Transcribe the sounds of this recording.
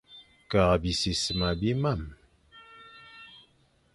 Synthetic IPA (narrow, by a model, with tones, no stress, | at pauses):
ka˨ʁbi˨si˨sə˨ma˨bi˦ma˦˨m